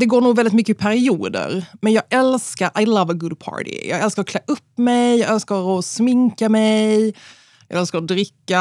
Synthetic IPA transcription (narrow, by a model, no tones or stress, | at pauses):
d̪ɛɡoːɳuːɡvɛldɪt̪mʏkːəɪpʰæɾɪuːd̪ə̰ɾmɛnjɑːɡɛlskaɾʔajlʌvəɡʊd̪̚pʰɑ̰ːɹɾɪ̰jʔɑːɡɛlskaɾɔkʰlɛʔɵpːmɛjjɑɡɛlskaɾɔsmɪŋkamɛj | jɑ̰ɡɛlskaɾɔd̪ɾɪkːa